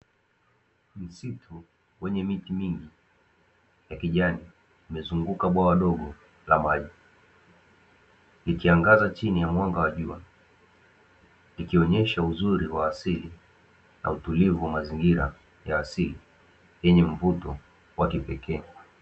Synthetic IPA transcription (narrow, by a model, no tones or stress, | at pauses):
m̩sitʰu | wɛɲɛmitimiŋɡi | jakiʄani | umɛzuŋɡukaɓwawaɗɔɠɔ | lamaʄi | likiaŋɡazat͡ʃinijamwaŋɡawaʄua | likiɔɲɛʃauzuɾiwaːsili | na̰utulivuwamaziŋɡiɾa̰ | jaːsili | jɛɲɛɱ̩vutɔ | wakipɛkʰɛː